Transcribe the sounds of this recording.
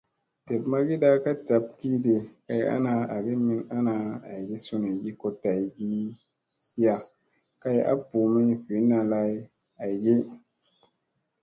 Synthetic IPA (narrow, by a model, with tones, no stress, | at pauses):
te˨bma˦ɡi˦da˦ka˦ta˨p̚ki˦de˨ka˦ja̰˦na˧a˨ɡi˦mi˦na˦na˧a̰˨jɡi˦su˦ni˨ɡi˦ko˦ta˨jɡi˦ | si˦ja˨ | ka˦ja̰˦pu˨mi˦˨fi˨˦na˨la˦j | a˨jɡi˦